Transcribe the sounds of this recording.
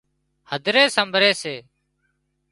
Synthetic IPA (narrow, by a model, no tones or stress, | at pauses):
həd̪ʱɾeːsəmbʱɾeːseː